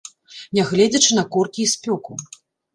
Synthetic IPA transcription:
nʲɛɣlʲɛd͡zʲɐt͡ʂɨnɐkɔrkʲiːspʲɔku

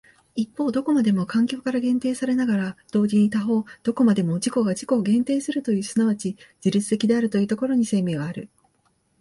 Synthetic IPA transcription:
ipːo̞ːd̪o̞ko̞mad̪e̞mo̞kãŋkʲo̞ːkaɾaɡẽ̞nt̪e̞ːsaɾe̞naɡaɾad̪̥o̞ːd͡ʑiɲ̟it̪aɦo̞ːd̪̥o̞ko̞mad̪e̞mo̞d͡ʑiko̞ɡaʑiko̞ːɡẽ̞nt̪e̞ːsɨɾɯ̟t̪o̞jɯ̟ːsɨnaβat͡ɕid͡ʑiɾʲɨt͡sɨ̥t̪e̞kʲid̪e̞aɾɯ̟t̪o̞jɯ̟ːt̪oko̞ɾo̞ɲ̟ise̞ːme̞ːɡaːɾɯ̟̰

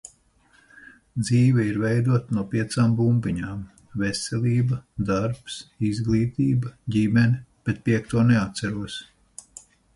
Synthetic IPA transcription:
d̪ziːvɛiɾvɛjd̪uɔt̪anuɔpiɛt̪saːmbumpiɲaːm | vɛsʲɛlʲiːbɐd̪aɾpsizɡlˠiːt̪iːbɐɟʲimɛnib̥ɛt̪̚piɛkt̪uɔnɛat̪sæɾuɔs

